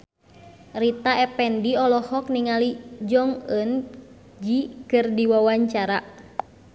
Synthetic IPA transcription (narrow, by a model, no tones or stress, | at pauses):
rit̪aɛpɛndiɔlɔhɔkniŋalid͡ʒɔŋən | d͡ʒikɨrdiwawaɲt͡ʃaɾa